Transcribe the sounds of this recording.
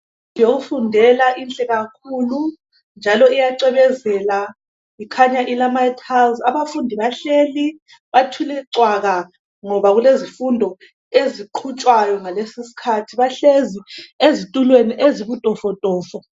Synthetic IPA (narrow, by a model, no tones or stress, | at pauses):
joɣufundʱɛlaʔint͡ɬʼɛɣakʰuːlu | nd͡ʒʱalɔijaǀɛβɛzɛla | ikʰaɲaʔilamajitʰalzaβafundʱiβaɬeːli | βatʰulɛǀwaɣa | ŋɔβaɣulezifundʱɔ | eziǃʰut͡ʃʼwajɔŋalesisi̥kʰatʰiβaɬeziezitʼulweniʔeziβutʼɔfɔtʼɔːfɔ